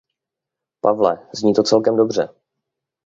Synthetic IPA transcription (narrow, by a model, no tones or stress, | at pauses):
pavlɛzɲiːt̪ot͡sɛlkɛmdo̞br̝ɛ